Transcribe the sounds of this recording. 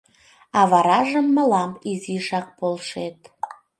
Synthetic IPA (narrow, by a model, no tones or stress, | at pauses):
ɑvɑɾɑʒəmːəlɑmpiziʃɑq̚polˠʃet̪̚